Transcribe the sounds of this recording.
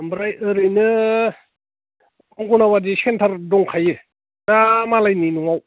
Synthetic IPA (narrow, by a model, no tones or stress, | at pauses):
ambɾajɯɾɯjnɯ | ɔŋɡɔnawadisentʰaɾdɔŋkʰajɯ | namalajninuŋaw